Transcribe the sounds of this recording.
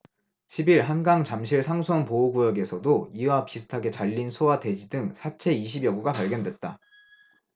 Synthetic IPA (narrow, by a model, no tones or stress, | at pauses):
ɕʰibiɾɦanɡaŋt͡ɕamɕʰiɭsʰaŋsʰʌnpouɡujʌɡe̞sʰʌdoiwapisʰɯ̥tʰaɡe̞t͡ɕaʎːinsʰowade̞d͡ʑidɯŋsʰat͡ɕʰe̞iɕʰibjʌɡuɡapaɭɡjʌndwe̞t̚t͈a